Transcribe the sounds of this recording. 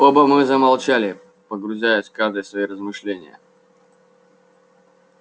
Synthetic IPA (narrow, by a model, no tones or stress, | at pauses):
obəmɨzəmalˠt͡ɕalʲɪ | pəɡɾʊzʲæjʊsʲkaʐd̪ɨjəsvɐirəzmɨʂlʲenʲɪ̰jə̰